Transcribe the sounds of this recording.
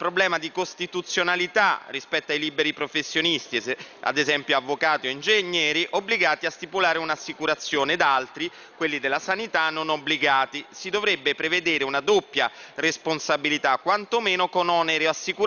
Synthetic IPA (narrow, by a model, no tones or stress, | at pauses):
pɾoblɛːmad̪ikost̪it̪ut̪sːjonalit̪arːispɛt̪ːoajlibeɾipɾofesːjonist̪ia̰d̪ezɛmpjoavːokaːt̪ioind͡ʒeɲːɛːɾiʔobːliɡaːt̪iast̪ipulaːɾeunasːikuɾat̪sːjoːned̪alt̪ɾi | kwelːid̪elːasanit̪anːonobliɡaːt̪isid̪ovɾebːepɾeved̪eːɾeunad̪opːjaresponsabilit̪akːwant̪omeːnokonɔːneɾeasːiku